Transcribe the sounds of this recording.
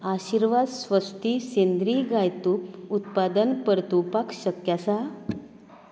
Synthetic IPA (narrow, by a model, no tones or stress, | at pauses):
aɕiɾʋad̪sʋəst̪ʰisend̪ɾiɡajt̪uput̪pad̪ənpəɾt̪upakɕəkjasa